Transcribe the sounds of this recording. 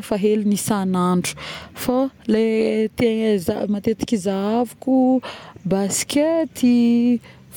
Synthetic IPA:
faɦelinisanaɳɖ͡ʐu̥falet̪ezamat̪et̪i̥kʲizaavukubasi̥ket̪ʰi

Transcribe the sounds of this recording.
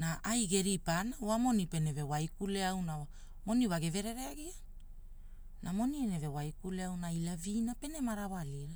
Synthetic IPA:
naʔajɡe̞ɾipanaoamo̞nipe̞ne̞ve̞wajkuleawnawa | mo̞niwaɡeve̞ɾe̞ɾeaɡia | namo̞niene̞ve̞wajkuleawnajlavinape̞ne̞maɾawaliɾa

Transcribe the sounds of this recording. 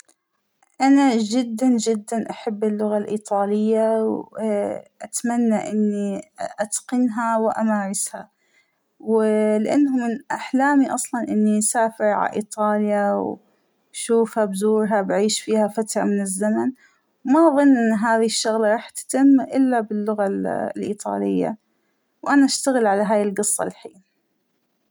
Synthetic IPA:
ʔanad͡ʒɪd̪ːand͡ʒɪd̪ːanʔaħabːɪlːʊɣalʔiːt̪ˤɑːlɪjːaw | ʔat̪manːaʔɪnːiʔat̪qɪnɦawʔamaːɾɪsha | wlɪʔanːhʊmɪnʔaħlaːmiʔɑsˤlɑnʔɪnːisaːfɪɾʕa̰ʔḭːt̪ˤɑːljaw | ʃuːfhabzuːɾɦabʕiːʃfiːhafat̪ɾˤɑ̰mɪnɪzːaman | wmaʔðˤɨnːʔɪnːɦaːðɪhɪʃːʊɣlɑɾˤɑːħt̪t̪ɪmːʔɪlːabɪlːʊɣalʔḭːt̪ˤɑ̰ːlɪjːa̰ | wʔanaʔaʃt̪aɣɪlʕalaɦaːjɪlɡɨsˤːɑ̰lħiːn

